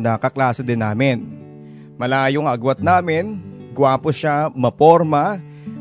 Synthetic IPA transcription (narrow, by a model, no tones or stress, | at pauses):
nɐkɐklaːsod̪ɪnːaːmɪn | mɐlaːjoŋʔɐɡwat̪̚naːmɪnɡʊwaːpoʃamɐpoɾmɐ